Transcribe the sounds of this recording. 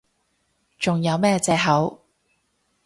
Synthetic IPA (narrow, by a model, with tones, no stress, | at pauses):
t͡ʃʊ˨ŋjɐ˨˧wmɛː˥t͡sɛː˧ɦɐ˨˥w